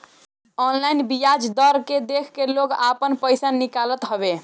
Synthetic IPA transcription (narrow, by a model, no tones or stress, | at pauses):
ɔnlajnbijad͡ʒd̪əɾked̪ekʰkelokapənpəjsanikalət̪ɦobe